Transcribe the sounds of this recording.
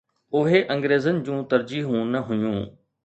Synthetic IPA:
ʊɦeʔɐ̃ŋɡɾeːzənɪ̆d͡ʑũːt̪ɐɾd͡ʑiːɦũnɐɦʊjũː

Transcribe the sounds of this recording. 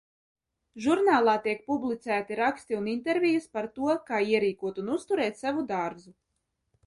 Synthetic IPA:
ʒuɾnaːlˠaːt̪iɛk̚publˠit̪sæːt̪iɾakst̪iunint̪eɾvʲijuspaɾt̪uɔkaːiɛɾiːkuɔt̪unust̪uɾɛːt̪savud̪aɾzu

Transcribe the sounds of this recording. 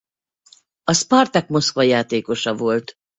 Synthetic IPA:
ɒspɒrt̪ɒkmo̞skʋɒjaːt̪eːko̞ʃɒvo̞lt̪

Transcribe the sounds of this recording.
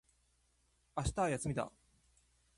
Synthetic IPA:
aɕi̥t̪ajasɨmʲit̪a̰

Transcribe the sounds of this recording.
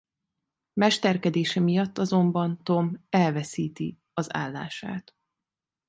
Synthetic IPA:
mɛʃt̪ɛrkɛd̪eːʃɛmijɒt̪ːɒzo̞mbɒnt̪o̞mɛlvɛsiːt̪i | ɒza̰ːlːa̰ːʃa̰ːt̪

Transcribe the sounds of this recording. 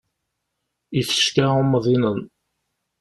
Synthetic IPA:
iθə̥ʃkæumðˤinən

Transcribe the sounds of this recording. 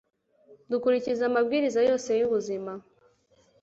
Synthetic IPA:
dukuɾicizamabɡiːɾizajo̞ːse̞juβuzima

